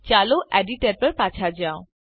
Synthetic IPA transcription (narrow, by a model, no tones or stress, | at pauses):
t͡ɕaloʔɛɖiʈeɾpəɾpat͡ɕʰad͡ʑao